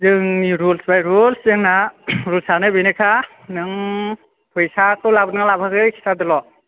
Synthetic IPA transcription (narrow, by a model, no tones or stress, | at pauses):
zɯŋniɾulsbajɾulszɯnaɾulsanɯbejnekʰa | nɯŋ | pʰɯjsakʰɯwlabɯnŋalabʰaɡɯjkʰi̥sadɯlɔ